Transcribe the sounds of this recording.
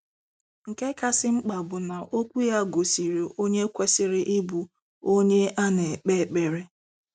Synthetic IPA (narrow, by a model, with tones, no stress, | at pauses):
ŋ̩˨ke˦ka˦sɪ˦ŋ͡m̩˦k͡pa˨bʊ˨na˨ʔo˦kʷu˦ja˦ɡo˨si˨ɾi˨o˦ɲe˦kʷe˦sɪ˨ɾɪ˦ʔi˦bu˨ | o˦ɲe˦a˦ne˨k͡pe˦˨k͡pe˨ɾe˦